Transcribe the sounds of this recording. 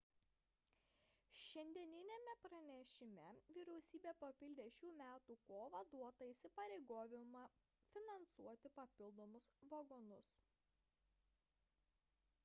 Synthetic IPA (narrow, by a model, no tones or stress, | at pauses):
ʃʲɛnʲd̪ʲiɛnʲɪnʲemʲɛpɾɐnʲɛʃʲɪmʲɛʋʲiːɾʲɛʊsʲiːbʲeːpɐpʲɪlʲd̪ʲeʃʲuːmʲæːt̪uːkoːʋɐd̪uɔt̪ɐisʲɪpɐɾʲɛɪɡoːʋʲɪmɐ | fʲɪnɐnsuɔt̪ʲɪpɐpʲɪlˠd̪oːmʊsʋɐɡɔnʊs